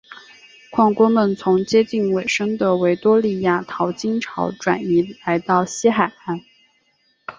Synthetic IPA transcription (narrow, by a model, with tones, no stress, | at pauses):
kʰwɑ˥˩ŋkwɔ˥mə˨nt͡sʰʊ˧˥ŋt͡ɕjɛ˥t͡ɕi˥˩nwe˨˩ɪʂɤ˥ŋd̪ə˨we˧˥ɪt̪wɔ˥li˥˧ja˥˩t̪ʰɑ˧˥ʊt͡ɕi˥nʈ͡ʂʰɑ˧˥ʊʈ͡ʂwa̰˨˩ni˧˥la˧˥ɪt̪ɑ˥˩ʊɕi˥xa˨˩ɪa˥˩n